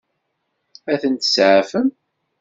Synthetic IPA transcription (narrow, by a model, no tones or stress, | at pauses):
æθənt̪ə̥sʕafəm